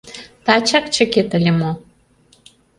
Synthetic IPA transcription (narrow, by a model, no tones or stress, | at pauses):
t̪at͡ɕakt͡ɕə̆ket̪ə̆lʲemo